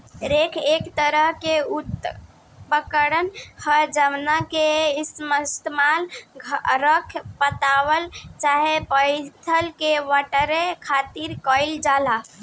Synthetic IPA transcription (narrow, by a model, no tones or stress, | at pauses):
ɾekʰekt̪əɾəɦkeut̪ | bəkəɾənhəɾd͡ʒəmnakeisməst̪malʱ | ɾəkʰpət̪aʋəlt͡ʃaɦepəjt̪ʰəlkeʋəʈəɾekʰat̪iɾkəɪld͡ʒala